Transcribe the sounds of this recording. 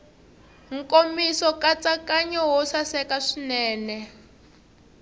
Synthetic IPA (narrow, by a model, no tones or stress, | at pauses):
ŋ̩komisɔkat͡sakaɲɔɦɔsasɛkaʂinɛːnɛ